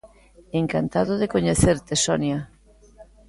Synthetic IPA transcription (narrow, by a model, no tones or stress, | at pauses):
eŋkant̪aðoðekoɲeθeɾt̪esɔnja